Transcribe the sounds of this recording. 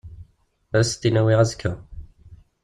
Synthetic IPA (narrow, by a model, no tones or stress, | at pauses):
æɾst̪ːinæwiʁæzkʰːə